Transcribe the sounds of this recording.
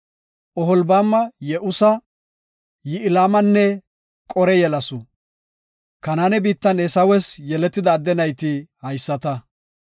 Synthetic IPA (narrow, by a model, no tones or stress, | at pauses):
ʔɔɦɔlbaːmːɐjɛʔʊsɐ | jɪɪlaːmɐnːɛ | kʼɔɾɛjɛlɐsʊ | kɐnaːnɛbiːt̪ːɐnesɐwɛsjɛlɛt̪ːɪd̪ɐːd̪ːɛnɐjt̪ɪhɐjsːɐt̪ɐ